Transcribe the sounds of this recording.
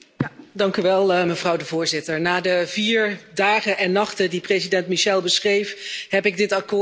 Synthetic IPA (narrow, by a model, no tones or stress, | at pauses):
dɑŋkyʋɛlˠməvrɑwdəvʊːɹzɪtəɹnaːdəviːɹdaːχənʔɛnːɑχtədiprejzidɛntmiʃɛlˠbəsχrejfɦɛpɪɡ̚dɪtɑkʊː